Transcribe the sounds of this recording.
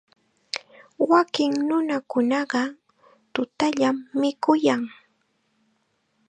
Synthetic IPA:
wakɪŋnʊnakʊnɑɢɑ | t̪ʊt̪aʎamːɪkʊjaŋ

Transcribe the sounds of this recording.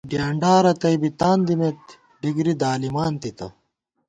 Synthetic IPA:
ɖjaːɳɖaːɾɐt̪ɐjbit̪aːnd̪imet̪ | ɖiɡɾid̪aːlimaːnt̪it̪ɐ̰

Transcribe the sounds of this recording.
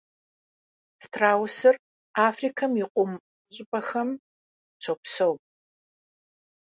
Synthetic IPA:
stʰraːwsɨr | aːfrikʰɐmjiqʷʼʊm | ɕʼɪpʼɐxɐm | t͡ʃʷʰopsɐw

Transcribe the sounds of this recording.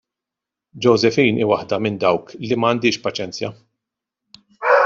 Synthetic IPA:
d͡ʒɔwzɛfiːnʔiːwɐħd̪ɐmɪnd̪ɐwklimɐːnd̪ɪːʃpɐt͡ʃɛnt͡sjɐ

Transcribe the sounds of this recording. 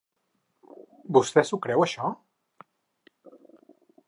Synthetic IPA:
bust̪ɛsukɾɛwəʃɔ

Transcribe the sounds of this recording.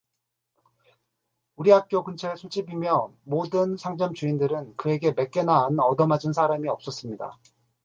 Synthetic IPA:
uɾiɦak̚k͈jokunt͡ɕʰesʰot͡ɕ͈ibimjʌmodɯnsʰaŋd͡ʑʌmt͡ɕuindɯɾɯnkɯe̞ɡe̞me̞k͈e̞naːnʌdʌmad͡ʑunsʰaɾamiʌp̚s͈ʌs͈ɯmɲida̰

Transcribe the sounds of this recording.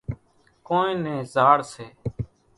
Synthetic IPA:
koːnẽːnẽːzaːɽseː

